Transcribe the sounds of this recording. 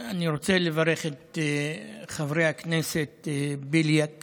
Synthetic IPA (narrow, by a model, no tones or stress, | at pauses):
aniɾo̞t͡selevaɾeχet̪ | χavʁejaknese̞tbiljak